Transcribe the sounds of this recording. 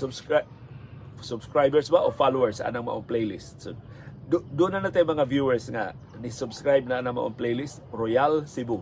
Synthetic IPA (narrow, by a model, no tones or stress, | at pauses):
sʊbs | sʊbskɾajbɛɹsbaʔofalowɛɹsa̰naŋma̰ʔoŋplejlist̪̚so | d̪d̪ʊnanat̪ajmɐŋavjuɛɹsŋa̰ | nɪsʊbskɾajb̚naʔanaŋma̰ʔoŋplejlist̪̚ɾojalsɪbu